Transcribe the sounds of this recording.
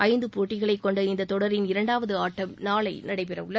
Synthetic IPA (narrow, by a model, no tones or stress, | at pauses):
ʔɐɪnd̪ɯpoːʈːɪɣɐɭɐɪkːɔɳɖɐɪnd̪ɐt̪ɔɽɐɾɪnɪɾɐɳɖaːʋɐðɯaːʈːɐmnaːɭɐɪnɐɽɐɪpɛrɐ̰ʋɯɭːɐ